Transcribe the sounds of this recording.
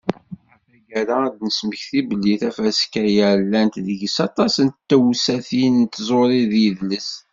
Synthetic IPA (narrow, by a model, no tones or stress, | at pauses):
æfæʝæɾaæd̪nəsməçθibəlːiθæfæskæjælːænt̪ðəʝəsɑt̪ˤɑsənt̪ːæwsæθinənt̪zˤoɾˤiðjəðləs